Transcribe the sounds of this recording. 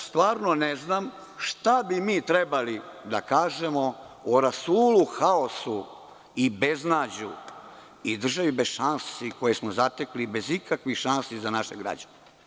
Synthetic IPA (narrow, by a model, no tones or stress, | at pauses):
st̪ʋaːɾnoneznaːm | ʃt̪abimiːt̪ɾebalid̪a̰kaːʒemo | oɾasuːluxao̞su | ibe̞znaːd͡ʑu | id̪r̩ʒaʋibezʃansiko̞jesmozat̪eklibe̞zikakʋixʃansizanaʃeɡɾa̰d͡ʑane